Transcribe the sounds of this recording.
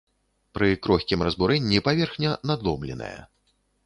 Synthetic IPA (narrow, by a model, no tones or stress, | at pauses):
pɾɨkɾɔxʲkʲimrɐzbuɾɛnʲːipavʲɛrxnʲɐnad̪lˠɔmlʲɛ̰nɐ̰jɐ̰